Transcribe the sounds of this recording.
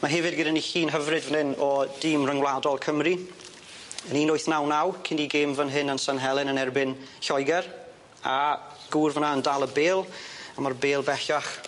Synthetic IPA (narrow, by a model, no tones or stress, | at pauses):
maɦɛvɨdɡɪdaniɬiːnɦəvrɨdvənhɪnɔd̥iːmrəŋwlˠadɔlˠkʰəmri | əniːnojθnawnawkʰɪndiɡeːmvənɦɪnənsanɦɛlˠɪnənɛrbɪn | ɬɔjɡɛr | a | ɡ̥uːrvənaəndalˠəbeːlˠamarbeːlˠbɛɬaχ